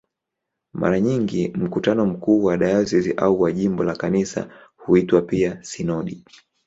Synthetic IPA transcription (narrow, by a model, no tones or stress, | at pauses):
ma̰ɾaɲiŋɡim̩kutanɔm̩kuːwaɗajɔsiziʔauwaʄimbɔlakanisa̰huitwapiasinɔɗi